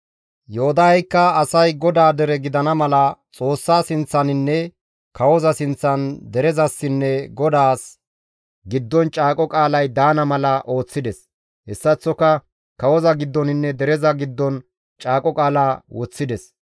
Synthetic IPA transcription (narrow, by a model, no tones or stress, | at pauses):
joːd̪ɐɐjkːɐɐsɐjɡɔd̪aːd̪ɛɾɛɡɪd̪ɐnɐmɐlɐt͡sʼo̞ːsːaːsɪnt͡sːɐnɪnːɛ | kɐwɔzɐsɪnt͡sːɐnd̪ɛɾɛzɐsːɪnːɛɡɔd̪aːs | ɡɪd̪ːɔnt͡ʃʼaːkʼɔkʼaːlɐjd̪aːnɐmɐlɐʔo̞ːt͡sːɪd̪ɛs | hɛsːɐt͡sːɔkɐ | kɐwɔzɐɡɪd̪ːɔnɪnːɛd̪ɛɾɛzɐɡɪd̪ːɔn | t͡ʃʼaːkʼɔkʼaːlaːwɔt͡sːɪd̪ɛs